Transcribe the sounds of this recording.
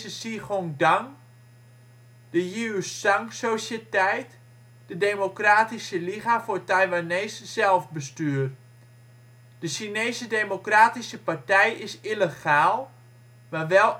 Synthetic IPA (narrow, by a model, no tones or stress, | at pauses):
səsiχoŋdaŋ | d̥əjyssaŋksosətɛjt | d̥ədeːmokraːtisəliχafʊːrtajʋaneːsːɛlˠfbəstyːr | d̥əʃinejsədejmokraːtisəpartɛjɪsiləχaːlˠ | maʋɛlˠ